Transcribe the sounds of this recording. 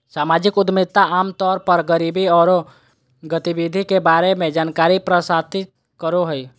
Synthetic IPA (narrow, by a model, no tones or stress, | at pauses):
saːmaːd͡ʒɪkʊd̪mɪt̪ːaʔaːmt̪ɔːɾpəɾɡəɾiːbʱiɔːɾo | ɡət̪ibid̪ʱikebaːɾemẽd͡ʒaːnkaːɾipɾəsaːt̪i | kəɾoɦəi